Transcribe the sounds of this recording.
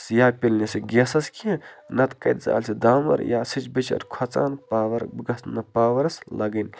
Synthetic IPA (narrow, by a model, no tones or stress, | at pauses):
sjaːpʲilnisiɡʲesɐskʰĩnɐt̪kɐjt̪̚za̰ːlʲsʰid̪aːmɐ̰ɾjaːsɨt͡ʃbit͡ʃʰɐ̰ɾkʰɐt͡sa̰ːnpaːʋɐɾbɡɐsnɨpaːʋɐɾɐslʔɐɡɐnʲ